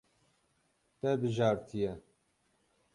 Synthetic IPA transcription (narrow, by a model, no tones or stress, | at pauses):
t̪ɛbɨʒɑːɾt̪ʰijɛ